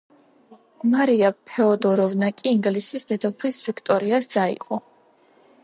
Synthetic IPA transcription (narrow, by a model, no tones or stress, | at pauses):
maɾiapʰɛɔd̪ɔɾɔvnakʼiːŋɡlisisd̪ɛd̪ɔpʰlisvikʰt̪ʼɔɾiasd̪aḭqʼɔ